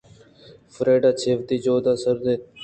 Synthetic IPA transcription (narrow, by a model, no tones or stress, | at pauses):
fɾeːɖaːt͡ʃʰeːʋt̪iːd͡ʒoːd̪aːsəɾneː